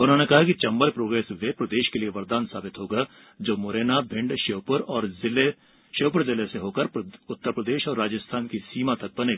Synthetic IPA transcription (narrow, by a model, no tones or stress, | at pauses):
ʊnɦõːnekɐɦakit͡ʃɐ̃mbəlpɾoːɡɾɛːsʋeːpɾɐd̪eːʃkelieʋɐɾd̪aːnsaːbɪt̪ɦoːɡa | d͡ʒoːmoːɾeːnabʱɪ̃ɳɖʃeːpəɾɔːɾzɪle | ʃeːpʊɾzɪleseɦoːkəɾʊt̪ːəɾpɾəd̪eːʃɔːɾːaːd͡ʒəst̪ʰaːnkisiːmat̪ɐk̚bɐne